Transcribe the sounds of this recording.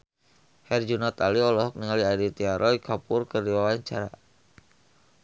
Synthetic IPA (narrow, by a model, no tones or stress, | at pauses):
hɛrd͡ʒunat̪aliɔlɔɦɔk̚niŋaliadit̪iaɾʔɔikʰapʊrkərdiwawaɲt͡ʃaɾa̰